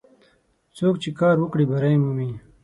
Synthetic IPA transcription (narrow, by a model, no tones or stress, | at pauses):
t͡soːkt͡ɕikaːɾwukɽibɐɾaimuːmi